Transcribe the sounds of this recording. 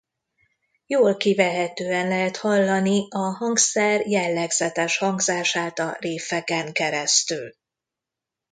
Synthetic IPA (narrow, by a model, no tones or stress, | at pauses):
joːlkivɛɦɛt̪øːɛnlɛɦɛt̪hɒlːɒniɒɦɒŋksɛrjɛlːɛɡzɛt̪ɛʃhɒŋɡzaːʃaːt̪ɒ̰reːfɛkɛŋkɛɾɛst̪yl